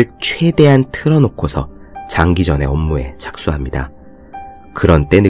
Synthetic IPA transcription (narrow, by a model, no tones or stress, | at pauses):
ɭt͡ɕʰwe̞de̞ɦantʰɯɾʌnokʰosʰʌ | t͡ɕaŋɡid͡ʑʌne̞ʌmːue̞̰t͡ɕḁk̚s͈uɦamɲida̰ | kɯɾʌnt͈e̞nɯ